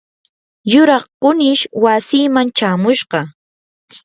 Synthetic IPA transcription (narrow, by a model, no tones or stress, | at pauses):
jʊɾɑχkʊnɪʃwasiːmant͡ʃaːmʊʃɢɑ